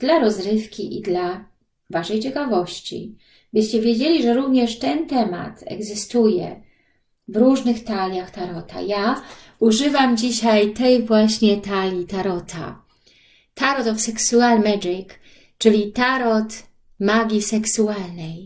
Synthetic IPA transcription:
d̪̥laɾɔzɾɘfkʲiʔḭd̪la | vaʂɛjt͡ɕɛkavɔɕt͡ɕḭ | bɘɕt͡ɕɛvʲjed͡ʑelʲiʐɛɾuvɲɛʂt̪ɛnt̪ɛma̰t̪ɛ̰ɡzɘst̪ujɛ̰ | vɾuʐnɘxt̪alʲjaxt̪aɾɔt̪a̰ja | uʐɘvamd͡ʑiɕajt̪ɛjvwaɕɲɛt̪alʲit̪aɾɔt̪ʰa̰ | t̪ʰaɾɔt̪ɔfsɛksualmɛd͡ʐik | t͡ʂɘlʲit̪aɾɔt̪ | maɡʲisɛksualnɛj

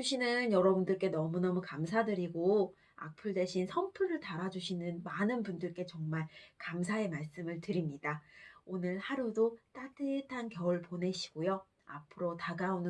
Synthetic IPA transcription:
uɕʰinɯnjʌɾʌbundɯɭk͈e̞nʌmunʌmukamsʰadɯɾiɡo | a̰k̚pʰɯɭde̞ɕʰinsʰʌmpʰɯɾɯɭtaɾad͡ʑuɕʰinɯnmanɯnpundɯɭk͈e̞t͡ɕʌŋmaɭkamsʰaemaɭs͈ɯmɯɭtɯɾimɲidaonɯɭhaɾudot͈adɯtʰankjʌɭpone̞ɕʰi̥ɡ̥ojo | a̰pʰɯɾotaɡaonɯ

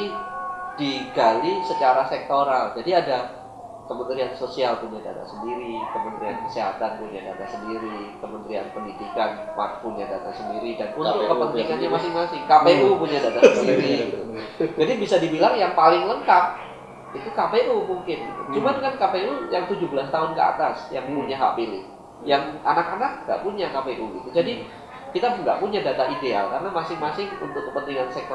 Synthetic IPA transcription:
id̥iɡalisət͡ʃaɾasɛk̚t̪oɾald͡ʒadiada | kəmənt̪ɾiansosialpuɲada̰t̪a̰səndiɾikəmənt̪ɾiankə̥seɦat̪anpuɲadat̪asəndiɾikəmənt̪ɾia̰npəndidikanwa̰k̚punɲadat̪asəndiɾidanunt̪ʊkːəpənɾikanjamasɪŋmasɪŋkapeɾupuɲadat̪assəsəndiɾiit̪ud͡ʒadibisadibilaŋjaŋpalɪŋləŋkap̚ | it̪ukapeɾumuŋkɪnɡḭt̪ṵt͡ʃumankankapeɾujaŋt̪ud͡ʒubəlast̪aɦʊnkəa̰t̪asjaŋpuɲaɦa̰pilɪ̰h | jaŋanakanak̚ŋɡa̰ʔpuɲakapeʔuɡit̪ud͡ʒadi | kit̪aŋɡa̰ʔpuɲadat̪aʔidea̰lkaɾənamasɪŋmasɪŋṵnt̪ʊkːəpənt̪iŋansək

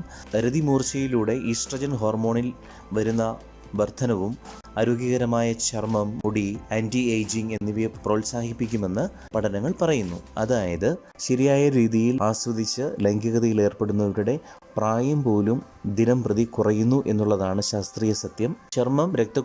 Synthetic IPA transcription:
ɐɾuðimuːrt͡ɕɐjiluːɽe̞ʔisʈrɐd͡ʑɐnɦo̞ːrmo̞ːɳil | ʋɐɾunːɐ | ʋɐrt̪ʰɐnɐʋum | aɾoːɡjɐɣɐɾɐmaːjɐt͡ɕɐrmɐmːuɽiendiejd͡ʑiŋɡe̞nːiʋipro̞ːlsaːhipːik̬ʲːume̞nːɨ | pɐʈʰɐnɐŋːɐɭpɐrɐjunːuɐ̰ðaːjɐðɨ | ɕɐɾijaːjɐɾiːðijilaːswɐd̪it͡ɕːɨleŋɡɐɣɐðɐjile̞ːrpe̞ɽunːɐʋiɾuɽe̞ | praːjɐmpo̞ːlum | d̪inɐmprɐðikurɐjːunːuʔe̞nːuɭːɐðaːɳɨɕaːst̪riːjɐsɐt̪jɐmt͡ɕɐrmɐmɾe̞k̚t̪ɐk

